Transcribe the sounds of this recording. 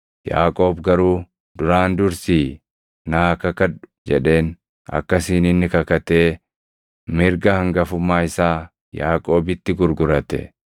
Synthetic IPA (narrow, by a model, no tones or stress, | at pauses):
ja̰ːkʼo̞ːbɡɐɾuː | d̪ʊɾaːnd̪ʊɾsiː | naːkɐkɐᶑʊ̥d͡ʒɛᶑe̞ːn | ɐ̰kːɐsiːnɪnːɪkɐkɐt̪e̞ː | mɪɾɡɐhɐŋɡɐfʊmːaːɪsaː | jaːkʼo̞ːbɪt̪ːɪɡʊɾɡʊɾɐt̪ɛ̰